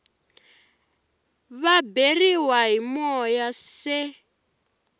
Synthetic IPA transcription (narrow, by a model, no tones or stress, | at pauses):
βaberiwaɦimɔjasɛ